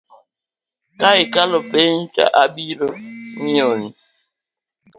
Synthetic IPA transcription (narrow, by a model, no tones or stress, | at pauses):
kaɣɪkalʊpen̩t͡ʃa̰ʔabiɾoɲ̩oni